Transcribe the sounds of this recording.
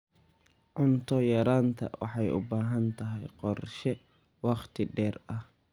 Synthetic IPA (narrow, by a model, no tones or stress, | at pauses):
ʕʊnt̪ʰɔjɐɾaːnt̪ʰɐ̰wʔɑ̰ħɑjʊ̰baːɦɐnt̪ʰɐɦɛjqɔrʃɛ | wɑqt̪ʰɪɖɛːrɐh